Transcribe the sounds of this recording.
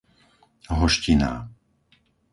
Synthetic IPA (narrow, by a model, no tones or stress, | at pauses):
ɦɔʃcina̰ː